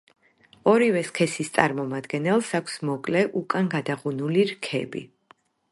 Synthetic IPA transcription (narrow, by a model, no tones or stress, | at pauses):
ɔɾivɛskʰɛsist̪sʼaɾmɔmad̪ɡɛnɛlˠsakʷʰsmɔkʼlɛʔukʼanɡad̪aʁunuliɾkʰɛ̰bḭ